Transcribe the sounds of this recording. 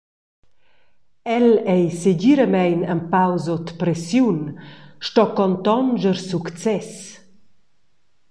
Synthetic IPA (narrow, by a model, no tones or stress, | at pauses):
ɛlɛjseɟiɾəmɛjnəmpawzot̪pɾɛsjunʃtɔkɔnt̪ɔnd͡ʒəɾsukt͡sɛs